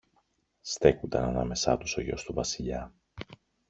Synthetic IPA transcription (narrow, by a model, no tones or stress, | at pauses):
st̪e̞kund̪ɐnɐnɐ̰me̞sɐ̰t̪uso̞ʝo̞st̪uvɐsiʎɐ